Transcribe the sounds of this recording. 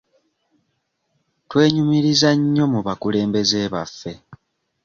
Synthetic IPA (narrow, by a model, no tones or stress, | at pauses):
twe̞ːɲumiɾizaɲːo̞muβakule̞ːmbe̞ze̞ːβa̰fːe̞